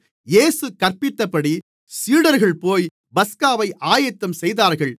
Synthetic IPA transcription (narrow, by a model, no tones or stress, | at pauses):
jeːsɯkːɐɾpɪt̪ːɐpːɐɽi | siːɽɐɾɣɐɭpoːj | bɐskaːʋɐɪʔaːjɐt̪ːɐmsɛjðaːɾɣɐɭ